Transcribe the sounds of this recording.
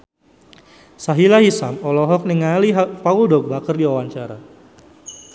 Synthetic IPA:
saɦilaɦisamɔlɔɦɔk̚niŋaliɦpauldɔɡ̚bakərdiwawaɲt͡ʃaɾa̰

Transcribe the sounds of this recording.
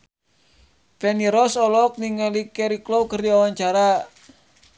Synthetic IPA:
pɛniɾɔsɔlɔk̚niŋalikɛɾiklowkərdiawaɲt͡ʃaɾa

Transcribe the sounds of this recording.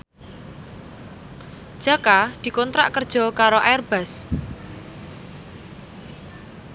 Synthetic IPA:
d̥ʒ̥a̤kad̪̥i̤kɔnt̪ɾa̰ʔkərd̥ʒ̥ɔ̤kaɾoʔaɛrb̥a̤s

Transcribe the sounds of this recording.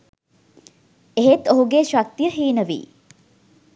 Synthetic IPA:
eɦet̪oɦuɡeʃak̚t̪ijəɦiːnəʋḭː

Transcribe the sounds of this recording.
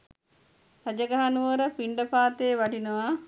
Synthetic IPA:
hɐd͡ʒəɡaɦanuʋəɾəpiɳɖəpaːt̪eːʋaɖinəʋa

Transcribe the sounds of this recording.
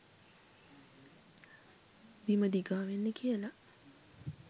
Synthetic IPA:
biməd̪iɡaːʋenːəkʰijəla

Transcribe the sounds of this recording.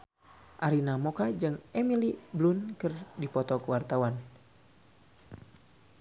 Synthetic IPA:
ʔaɾinamɔkad͡ʒɨŋɛmiliblunkɨrdipɔt̪ɔkəwart̪awan

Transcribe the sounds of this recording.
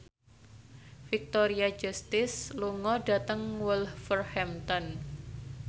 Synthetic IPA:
fik̚t̪oɾiḁd͡ʒust̪ɪsluŋɔɖat̪əŋwulfərhɛmt̪ɔn

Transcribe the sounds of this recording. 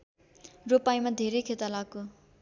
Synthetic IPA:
ropajmad̪ʱeɾejkʰet̪alakːo

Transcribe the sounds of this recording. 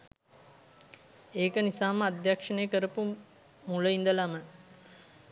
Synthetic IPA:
eːkənisaːməad̪jakʂənejəkəɾəpu | muləind̪əlamə

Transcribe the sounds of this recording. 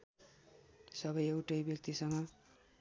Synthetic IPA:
sʌbʌjewʈʌjbjʌk̚t̪isʌŋʌ

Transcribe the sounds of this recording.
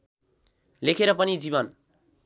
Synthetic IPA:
lekʰeɾapanid͡ʒiban

